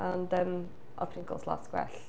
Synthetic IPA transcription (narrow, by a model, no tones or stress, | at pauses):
andəm | ʔɔ̰pʰrɪŋkʰɔ̰lˠsla̰sɡwɛ̰ɬ